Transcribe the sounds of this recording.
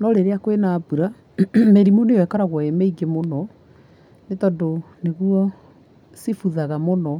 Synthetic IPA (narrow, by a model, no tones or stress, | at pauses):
nɔɾeɾeakwenaːbuɾa | meɾimonejwɛkaɾaɣwɔemeiɡemonɔ | netɔdo | neɣwɔ | sifuðaɣamonɔ